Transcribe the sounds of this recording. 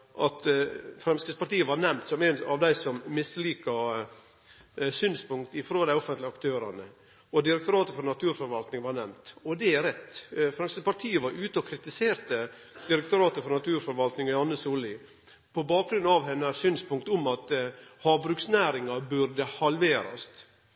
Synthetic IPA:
ʔɑt̪fɾɛmskəspɑɾʈ̪iːəʋɑɾnɛmnt̪sɔmænɑ̰ʋd̪æɪsɔmːɪsliːkɑ | syːnspʊŋk̚t̪ɪfɾoːd̪æɪɔfənt̪ləɑkt̪ʰøːɾɑ̰nə̰ | ɔd̪ɪɾɛkt̪ʊɾɑːt̪əfɔɾnɑt̪ʰʉːɾfɔɾʋɑlt̪nɪŋʋɑɾnɛmt̪ɔd̪ɛæɾɛt̪ːfɾɛmskʋəspɑɾʈ̪ʰiːəʋɑɾʉːt̪əɔkʰɾɪt̪ɪseːɾt̪ə | d̪̥ɪɾɛk̚t̪ʊɾɑːt̪əfɔɾnɑt̪ʰʉːɾfɔɾʋɑlt̪nɪŋɔjɑnːəsuːlɪ | pʰɔbɑːk̚ɡɾʉnːɑʋɦɛnːəsyːnspʊŋk̚t̪ʊmɑt̪hɑːʋbɾʉksnæːɾɪŋɑbʉɾd̪əhɑlʋeːɾɑ̰st̪

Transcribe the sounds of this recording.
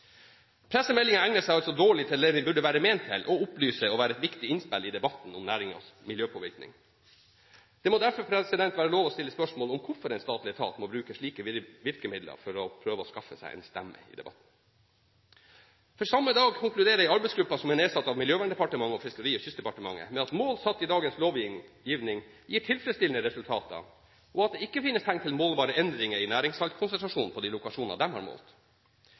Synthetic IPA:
pʰɾɛsːəmɛlːɪŋɑæŋnəsæɪɑlsɔd̪oːɭɪt̪ʰɪleːnɪbʉɖəʋæːɾəmeːnt̪ʰːɪlʔɔʊplyːsəɔʋæːɾəɛt̪ʋɪkt̪ɪɪnspɪlɪd̪ɛbɑt̪ːn̩ʊmnæːɾɪŋɑ̰smɪljøːpʰɔːʋɪɾknɪ̰ŋ | d̪̥ɛmoːd̪æɾfɔɾpʰɾɛsɪd̪ɛnt̪ʋæːɾəloːʋɔst̪ɪlːəspœʂmoːlɔmkʰʊɾfɔɾɛɪnst̪ɑːt̪lɪət̪ʰɑ̰ːt̪mɔbɾʉːkəʂɭiːkəʋɪɾkəmɪd̪lə̰ɾfɔɾɔpʰɾøːʋəɔskɑfːəsæ̰ɪʔɛ̰nst̪æmːə̰ɪ̰d̪ɛ̰bɑt̪n̩ | fɔɾsɑmːəd̪ɑːɡkʰʊŋklʉd̪eːɾəɛɪɑɾbɛɪsɡɾʉpːɑsɔmɛneːsɑt̪ːɑʋmɪljøːʋæːɳɖɛpɑʈəmɑŋːəɔfɪskəɾiːɔçʏst̪d̪ɛpɑʈəmɑ̰ŋːə̰mɛɑt̪moːlsɑt̪ːɪd̪ɑːɡənsloːʋjiːʋnɪŋ | jiːʈʰɪlfɾɛst̪ɪlnəɾɛsʉlt̪ʰɑːt̪ə̰ | ɔɑt̪̚d̪ɛɪkːəfɪnːəst̪ʰæŋt̪ʰɪlmoːlʋɑːɾəɛnd̪ɾɪŋəɪnæːɾɪŋsfɑlt̪kʰʊnsɛnt̪ɾɑʂuːnn̩pʰɔd̪iːlʊkɑʂuːnnɑd̪ɛmhɑ̰ɾmo̰ːlt̪

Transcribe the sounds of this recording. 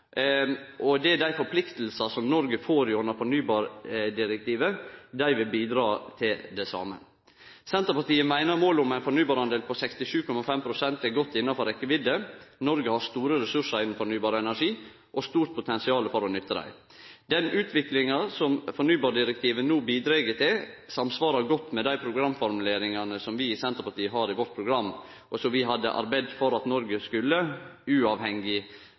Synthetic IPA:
ʔɔd̪ɛæd̪æɪfɔɾpʰlɪkt̪l̩sɑsɔmnɔɾɡəfoːɾɪʉnəɾfɔɳyːbɑːɾɖɪɾɛk̚t̪iːʋəd̪æɪʋɪlbiːd̪ɾɑːt̪ʰɪld̪ɛsɑ̰ːmə̰ | sɛnt̪əɾpɑt̪iːəmæɪnəɾmoːlʊmæɪnfɔɳyːbɑːɾhɑnd̪eːlpʰɔsɛkst̪ɪʃʉːkʰɔmɑfɛmpʰɾʊsɛnt̪ɛɡɔt̪ːɪnːɑfɔɾɛkːəʋɪd̪ənɔɾɡəhɑɾst̪uːɾəɾɛsʉʂəɾɪnn̩fɔɳyːbɑːɾəɛnæʂiː | ʔɔst̪uːɾt̪̚pʰʊt̪ʰɛnsɪɑːləfɔɾɔnʏt̪ːəd̪æ̰ɪ | d̪ɛnʉːt̪ʰʋɪklɪŋɑsɔmfɔɳyːbɑːɖɪɾɛk̚t̪ʰiːʋənuːbiːd̪ɾeːɡət̪ʰɪlsɑmsʋɑːɾɑɡɔt̪ːmɛd̪æɪpʰɾʊɡɾɑmːfɔɾmʉleːɾɪŋɑnəsɔmʋɪsɛnt̪əɾpɑʈiːəɦɑːɾɪʋɔʈ̚pʰɾʊɡɾɑmː | ʔɔsɔmʋɪɦɑd̪ːə̰ʔɑ̰ɾbæɪd̪fɔɾɑt̪nɔɾɡəskʉlːəʉːɑːʋhɛŋɪ

